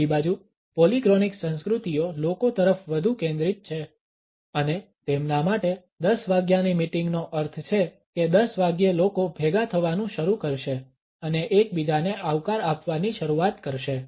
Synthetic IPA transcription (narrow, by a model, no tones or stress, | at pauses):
ibad͡ʒu | polikɾoniksə̃nskɾut̪ijolokot̪əɾəfʋəd̪ʱukẽnd̪ɾit̪̚t͡ʃʰe | əne | t̪emnamaʈe | d̪əsʋaɡjanimiʈĩŋɡnoʔəɾt̪ʰt͡ʃʰe | ked̪əsʋaɡjəlokobʱeɡat̪ʰəʋanũʃəɾukəɾʃe | əneʔed͡ʒbid͡ʒaneaʋkaɾapʋaniʃəɾuat̪kəɾʃe